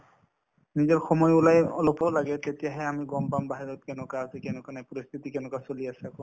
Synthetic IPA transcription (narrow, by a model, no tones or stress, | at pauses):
nizɔɹxɔmɔjulajɔ̰lɔpɔlaɡɛt̪etijaɦɛamiɡɔmbambaɦiɹɔt̚kɛnɔkazekɛnɛkanajpɔɹist̪ʰitikɛnɔkasoliasɛako